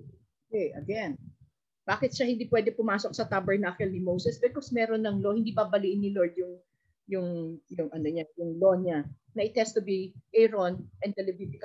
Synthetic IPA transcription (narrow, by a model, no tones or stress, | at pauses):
d̪ɛʔɐɡɛn | b̥aːkɪt̪ʃɐhɪnd̪iːpwɛːd̪ɛpʊmaːsok̚sɐt̪abɛɹnakɛlnɪmowsɛsbɛkosmɛːɾonːɐŋlohɪnd̪iːbɐbɐliʔɪnːɪloɹd̪jʊŋ | jʊŋjʊŋʔɐnoɲajʊŋloːɲɐ | nɐʔɪt̪ɛst̪ʊbiʔɛɹonʔɛnt̪ɛlɛbifɪk